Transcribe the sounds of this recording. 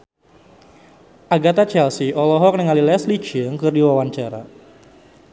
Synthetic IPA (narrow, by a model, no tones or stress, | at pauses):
ʔaɡat̪at͡ʃɛlsiʔɔlɔɦɔk̚nəŋalilɛslit͡ʃəŋkɨrdiwawaɲt͡ʃaɾa̰